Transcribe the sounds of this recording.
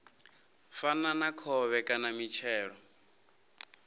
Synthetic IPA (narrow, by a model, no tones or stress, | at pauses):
fananakʰɔβɛkʼanamit͡ʃʰɛːɺɔ